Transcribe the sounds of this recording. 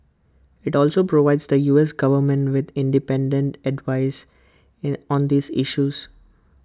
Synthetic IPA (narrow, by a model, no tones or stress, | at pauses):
ɪʈɔːlsoːpɾoʋaɪɖzd̪əjuːesɡʌʋəɾmɛ̃ɳʈʋɪd̪ɪ̃ɳɖɪpɛ̃ɳɖẽɳʈɛɖʋaɪs | ɔ̃ːnd̪iːzɪʃuːz̥